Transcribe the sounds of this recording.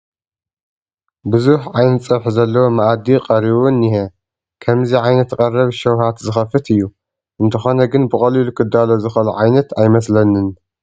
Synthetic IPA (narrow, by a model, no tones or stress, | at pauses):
buzuħʕajnɐt̪t͡sʼɐβħzɐlːɐwomɐʔad̪iqʼɐɾiβunːɪhe | kʰɐmziʕajnɐt̪kʼɐrɐβʃɐwhat̪zɨxɐfɨt̪ʰɨjːu | ʔɨnt̪ʰɐxo̞nɐɡɨnbɨkʼɐlilukʰɨd̪ːalo̞zɨxɐluʕajnɐt̪ʰajmɐslɐnɨn